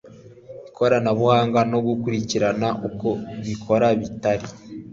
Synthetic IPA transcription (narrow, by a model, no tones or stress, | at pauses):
βikʰo̞ɾanaβuhaːŋɡanobɡukuɾiciɾanaʔukoβikʰo̞ɾaβitaɾi